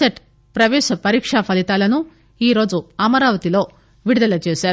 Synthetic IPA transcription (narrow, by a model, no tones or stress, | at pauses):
seʈ | pɾɐʋɛːʃɐpɐɾiːkʂapʰɐlit̪aːlɐnu | iːɾo̞ːd͡ʒuɐmɐɾaːʋɐt̪ilo̞ː | ʋiɽud̪ɐlɐt͡ʃeːʃaːɾu